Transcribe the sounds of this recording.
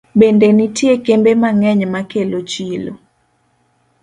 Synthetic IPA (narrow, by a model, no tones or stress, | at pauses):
bendenitjekembemaŋɛɲmakelot͡ʃilo̰